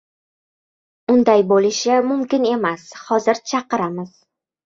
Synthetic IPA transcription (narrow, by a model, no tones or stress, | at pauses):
ʊnd̪ajbolɪʃamʊmkʲɪne̞mashɒzɪɾt͡ʃʰɑqɨɾamɪz̥